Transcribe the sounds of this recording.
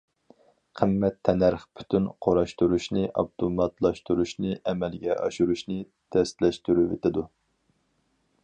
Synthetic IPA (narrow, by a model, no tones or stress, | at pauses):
qʰəmːɛt̪ʰːɛnæɾχpʰy̥t̪ʰynqʰoɾɑʃt̪uɾuʃnɨʔɑ̰pt̪ʰomɑt̪lˠɑʃt̪uɾuʃnɨʔɛmɛlɡʲɛʔɑ̰ʃuɾuʃnɨ | t̪ʰɛst̪lɛʃt̪yɾyvet̪ɪd̪u